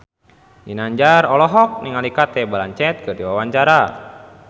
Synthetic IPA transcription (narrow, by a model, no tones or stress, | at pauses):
dinaɲd͡ʒarɔlɔɦɔk̚niŋalikat̪ɛbalaɲt͡ʃɛt̪̚kɨrdiwawaɲt͡ʃaɾa